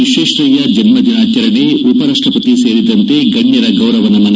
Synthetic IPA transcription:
iʃeːʂɾɐjɐd͡ʒɐnmɐd͡ʒ̪inaːt͡ʃɐɾɐɳeupɐɾaːʂʈɐpɐt̪ise̞ːɾid̪ɐnt̪eːɡɐɲjɐɾɐɡɐwɾɐʋɐnɐmɐn

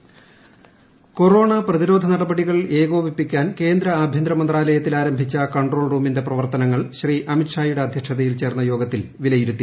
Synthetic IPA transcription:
ko̞ro̞ːɳɐprɐðiɾo̞ːd̪ʱɐnɐɽɐbɐɽiɣɐɭe̞ːɡo̞ːʋipːikʲːaːnke̞ːnd̪ɾɐaːbʱjɐnd̪ɾɐmɐnd̪raːlɐjɐt̪ːilaːɾɐmbʱit͡ɕːɐkɐɳɖro̞ːɭruːminde̞prɐʋɐrt̪ɐnɐŋːɐɭɕriʔɐmiʈʂaːjuɽe̞ɐd̪ʱjɐkʂɐðɐjilt͡ɕe̞ːrnːɐjo̞ːɡɐt̪ːilʋilɐjiɾut̪ːi

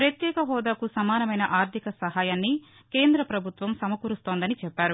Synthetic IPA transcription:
pɾɐt̪jɛːkɐɦɔːd̪akusɐmaːnɐmɐjnɐʔaːɾt̪ʰikɐsɐɦaːjaːnːi | keːnd̪ɾɐpɾɐbʱut̪ʋɐmsɐmɐkuɾust̪oːnd̪ɐnit͡ʃɛpːaːɾu

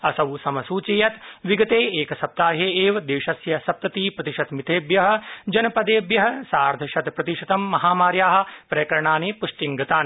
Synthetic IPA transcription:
ɐsɐwsɐmɐsuːt͡ʃijɐt̪ʋiɡɐt̪eːeːkɐsɐp̚t̪aːɦeeːʋɐd̪eːʃɐsjɐsɐp̚t̪ɐt̪iːpɾɐt̪iʃɐt̪mit̪ʰeːbjɐɦɐ̆d͡ʒɐnɐpɐd̪eːbjɐɦɐ̆saːɾd̪ʱɐʃɐt̪pɾɐt̪iʃɐt̪ɐmːɐɦaːmaːɾjaːɦɐ̆pɾɐjkɐɾɐɳaːneːpuʂʈiŋɡɐt̪aːnː

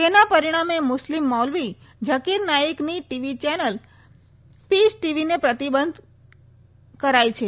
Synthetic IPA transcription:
t̪enapəɾiɽ̃amemʊslimːɔlʋi | d͡ʒəkiɾnajikniʈiʋit͡ʃɛnəl | pisʈiʋinepɾət̪ibənd̪ʱ | kəɾajt͡ʃʰe

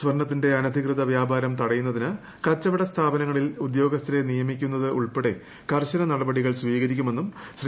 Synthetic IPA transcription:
sʋɐrɳɐt̪ːinde̞ɐnɐd̪ʱikrɨðɐʋjaːbaːɾɐmt̪ɐɽɐjunːɐðinɨ | kɐt͡ɕːɐʋɐɽɐst̪ʰaːbɐnɐŋːɐɭilud̪jo̞ːɡɐst̪ʰɾenijɐmikʲːunːɐðɨʔuɭpeɽe̞ | kɐrɕɐnɐnɐɽɐbɐɽiɣɐɭsʋiːɣɐɾikʲːume̞nːumɕr

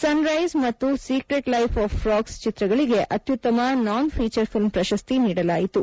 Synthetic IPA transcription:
sɐnɾɐjzmɐt̪ːusiːkɾeʈlɐjpʰaːfɾaːkst͡ʃit̪ɾɐɡɐɭiɡe̞ʔʔɐt̪jut̪ːɐmɐnaːnpʰiːt͡ʃɐɾpʰilmpɾɐʃɐst̪iniːɽɐlaːjit̪u

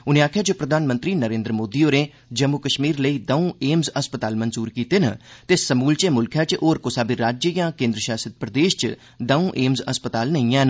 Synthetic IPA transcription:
ʊnẽːaːkʰijaːd͡ʒoːpɾəd̪ʱaːnmə̃nt̪ɾiːnəɾẽːnd̪ɾəmoːd̪iːoːɾẽː | d͡ʒəmːukəʃmiːɾləiːd̪əũːeːmzəspət̪aːlmənzuːɾkiːt̪eːnə̰t̪esəmuːlt͡ʃeːmʊlkʰjɛːt͡ʃʔoːɾkosaːbiɾaːd͡ʒjəjãːkẽːnd̪ɾəʃaːsət̪̚pɾəd̪eːʃt͡ʃ | d̪əũːʔeːmzəspət̪aːlnəĩːɛ̃ːn

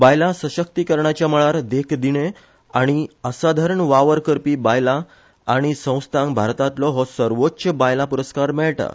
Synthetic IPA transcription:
bajlasəɕək̚t̪ikəɾɳat͡ɕjaməɭaɾd̪ekʰd̪iɽ̃e | aɽ̃iəsad̪ʱaɾəɳʋaʋəɾkəɾpiːbajlaː | ɽ̃isə̃w̃st̪ʰãŋbʱaɾt̪at̪lɔɦɔsəɾʋotːɕəbajlapuɾəskaɾmɛɭʈa̰

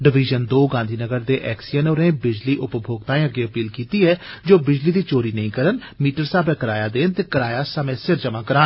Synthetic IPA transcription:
ɖɪʋɪːd͡ʒənd̪oːɡãːnd̪ʱiːnəɡəɾd̪eːʔɛːksijənoːɾẽːbɪd͡ʒliːʔʊpbʱoːɡt̪aːẽːəɡeːəpiːlkiːt̪iːɛːd͡ʒoːbɪd͡ʒliːd̪iːt͡ʃoːɾiːnəĩːkəɾən | miːʈəɾsaːbɛːkəɾaːjaːd̪eːnt̪eːkəɾaːjaːsəmẽːsɪɾd͡ʒəmãːkəɾãːn

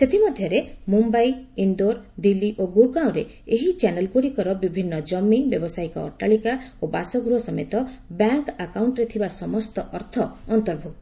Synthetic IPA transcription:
set̪ʰimɔd̪ʱjɔɾemumbajind̪oɾd̪iliʔoɡuɾkaw̃ɾe | eɦit͡ʃanelɡuɽikɔɾɔbibʱinːɔd͡ʒɔmːibjɔbɔsaikɔɔ̰ɾʈaɭikaobasɔɡuɾɔsɔmet̪ɔbjaŋkakawɳʈɾet̪ʰibasɔmɔst̪ɔʔɔɾt̪ʰɔːnt̪ɔɾbʱuk̚t̪ɔ

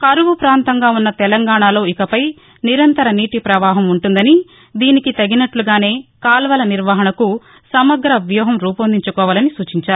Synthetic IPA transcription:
kɐɾuʋupɾaːnt̪ɐŋɡaːunːɐt̪ɛlɐŋɡaːɳaːlo̞ːikɐpɐj | niɾɐnt̪ɐɾɐniːʈipɾɐʋaːɦɐmuɳʈund̪ɐni | d̪iːnikit̪ɐɡinɐʈluɡaːne̞ːkaːlʋɐlɐniɾʋaːɦɐɳɐku | sɐmɐɡɾɐʋjɔːɦɐmɾuːpɐnd̪iɲt͡ʃukɔːʋaːlɐnisuːt͡ʃiɲt͡ʃaːɾu

